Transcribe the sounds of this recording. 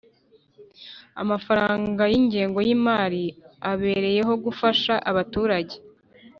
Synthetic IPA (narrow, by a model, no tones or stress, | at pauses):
a̰mafaɾaːŋɡajiɲɟeːŋɡo̞jimaːɾiaβe̞ːɾe̞je̞ɦo̞ɡufaʃaʔaβatuːɾaɟe̞